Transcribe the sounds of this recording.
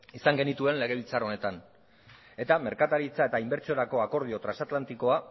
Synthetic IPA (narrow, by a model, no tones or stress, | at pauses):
isaŋɡe̞nit̪ue̞nle̞ɣ̞e̞βilt͡saɾo̞ne̞t̪an | e̞t̪ame̞ɾkat̪aɾit͡saet̪aimbe̞ɾt͡sioɾako̞ako̞ɾð̞io̞t̪ɾansat̪lant̪iko̞a